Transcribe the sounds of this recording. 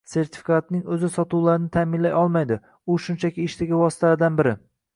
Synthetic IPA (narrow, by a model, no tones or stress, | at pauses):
se̞ɾt̪ʰɪ̥fi̥kʰat̪̚nɪŋɵzɪsɒt̪ʰuwlaɾɪnɪt̪ʰaːmɪnlajɒlˠmajd̪ɪ | ʊʃʊnt͡ʃʰakʲɪːʃt̪aɡʲavɒsɪt̪ʰalaɾɪd̪anbɪɾɪ